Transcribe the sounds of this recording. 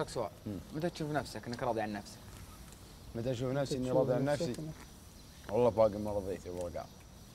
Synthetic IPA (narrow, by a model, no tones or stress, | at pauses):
aksawa̰ːʔmat̪at̪ʃuːfnafsakʔɪnːɪkɾˤɑːd̪ˤiʕanːafsḁk | mat̪at̪ʃ̬uːfnafsiʔɪnːiɾˤɑːd̪ˤiʕanːafsi | wɑlˤːɑbɑːɡəmɑɾˤɑðˤiːt̪iwɑɾˤɑɡɑ̰ː